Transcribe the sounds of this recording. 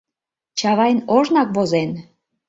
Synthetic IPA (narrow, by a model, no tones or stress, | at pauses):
t͡ɕɑβɑjnoʒnɑk̚βozen